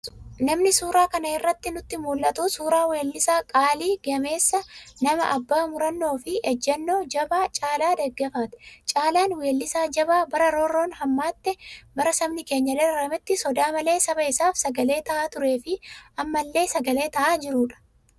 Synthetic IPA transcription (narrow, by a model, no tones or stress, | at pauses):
nɐmnɪsuːɾaːkɐnɐɪrːɐt̪ːɪnʊt̪ːɪmuːlʔɐt̪usuːɾaːwe̞ːlːɪsaːkʼaːliːɡɐme̞ːsːɐnɐmɐ̰ʔɐbːaːmʊɾɐnːo̞ːfɪʔɛd͡ʒːɛnːo̞ːd͡ʒɐbaːt͡ʃʼaːlaːd̪ɛɡːɛfaːt̪ʊ̥t͡ʃʼaːlaːnwe̞ːlːɪsaːd͡ʒɐbaːbɐɾɐɾɔɾo̞ːnhɐmːaːt̪ːɛbɐɾɐsɐbnɪke̞ːɲːɐlɛɾɐɾɐmɪt̪ːɪsɔd̪aːmɐle̞ːsɐbɐɪsaːfsɐɡɐle̞ːt̪ɐʔaːt̪ʊɾe̞ːfɪʔɐmːɐlːe̞ːsɐɡɐle̞ːt̪ɐʔaːd͡ʒɪɾuːᶑɐ̥